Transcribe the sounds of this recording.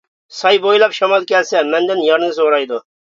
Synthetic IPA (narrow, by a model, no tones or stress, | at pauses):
sɑjbojlˠɑpʃɑmɑlˠkʲʰɛlsɛmɛnd̪ɪnjɑɾnɨzoɾɑjd̪ʊ